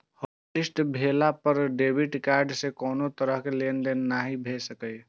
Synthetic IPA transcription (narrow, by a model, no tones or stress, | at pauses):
ho | ʈɪsʈbʱeːlapəɾɖeːbɪʈkaːɾɖsekɔːnot̪əɾəɦkeleːnd̪enːaɦibʱesəkəj